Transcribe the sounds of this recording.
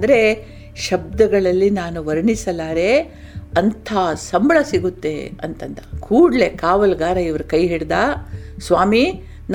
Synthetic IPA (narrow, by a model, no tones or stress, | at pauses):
d̪ɐɾe̞ | ʃɐb̚d̪ɐɡɐɭɐlːinaːnuʋɐɾɳisɐlaːɾe | ɐnt̪ʰaːsɐmbɭɐsiɡut̪ːe̞̰ɐ̰nt̪ɐnt̪ɐ̥kʰuːɽle̞kaːʋɐlɡaːɾɐiʋɐɾukɐjɦiɽd̪asʋaːmi | n